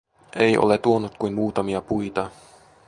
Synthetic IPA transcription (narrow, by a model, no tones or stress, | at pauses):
ʔejʔo̞̰let̪uonːut̪̚kujnmuːt̪ɑmiɑpujt̪ɑ